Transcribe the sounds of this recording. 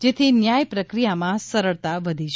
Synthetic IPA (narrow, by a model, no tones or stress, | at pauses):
d͡ʒet̪ʰinjajpɾəkɾijamãsəɾəɭt̪aʋəd̪ʱiʃ